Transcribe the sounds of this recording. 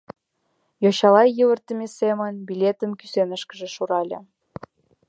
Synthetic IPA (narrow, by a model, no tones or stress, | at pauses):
joɕɑlɑjjəβə̆rt̪ə̆mʲesemə̆nbilʲet̪ə̆mky̥senəʃkə̆ʒĕʃuɾɑlʲḛ